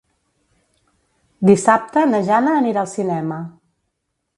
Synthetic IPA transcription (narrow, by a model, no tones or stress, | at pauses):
d̪isap̚t̪ənəʒanəːniɾaːlˠsinɛmə